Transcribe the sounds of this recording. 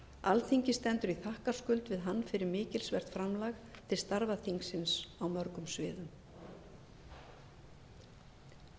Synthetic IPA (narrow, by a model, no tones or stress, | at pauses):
alθiɲcɪst̪ɛnt̪ʏɾiθahkḁskʏlt̪vɪðɦanːfɪɾɪɾmɪːcɪlsvɛr̥t̪fɾamlaxt̪ʰɪlst̪aɾvaθiŋksɪnsawmœɾkʏmsvɪːðʏm